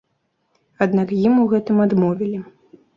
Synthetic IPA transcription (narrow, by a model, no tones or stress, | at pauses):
ad̪nakjimuɣɛt̪ɨmad̪mɔvʲilʲi